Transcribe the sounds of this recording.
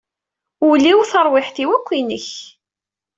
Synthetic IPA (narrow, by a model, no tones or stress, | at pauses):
uliwθəɾˤwɪħθiwækʷːinəç